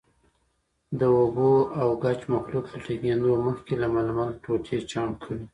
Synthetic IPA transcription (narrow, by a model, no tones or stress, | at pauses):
d̪əoboawɡat͡ʃmaxluklaʈiɡend̪oməxkelamalmalt̪ot̪ʰet͡ʃɑmkʰəɽi